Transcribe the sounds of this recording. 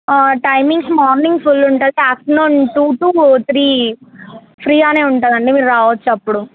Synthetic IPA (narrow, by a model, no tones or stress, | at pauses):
ʈɐjmiŋɡsmɔːɾniŋɡfulːuɳʈanaːksnoːnʈuːʈuːt̪ʰɾiː | pʰɾiːaːne̞ːuɳʈund̪ɐɳɖimiːɾuɾaːʋɐt͡ʃːuɐpːuɽu